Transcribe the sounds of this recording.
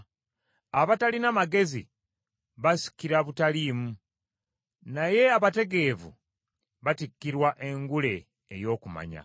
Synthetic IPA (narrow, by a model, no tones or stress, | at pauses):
aβatalinamaɡe̞zḭ | βasi̥kiɾaβutaliːmu | naje̞aβate̞ɡe̞ːvṵ | βatikːiɾwaʔe̞ŋɡule̞ː | jo̞ːkuma̰ɲa̰